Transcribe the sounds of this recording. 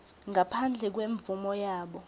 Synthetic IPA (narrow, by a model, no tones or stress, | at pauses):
ŋapʰand͡ɮʱɛk̬weɱvumɔjaːɓɔ